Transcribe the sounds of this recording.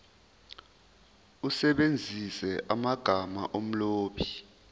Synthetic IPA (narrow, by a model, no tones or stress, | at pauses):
usɛɓend͡zʱisɛʔamaɡ̥ʱama̰ʔom̩loːɓʰi̥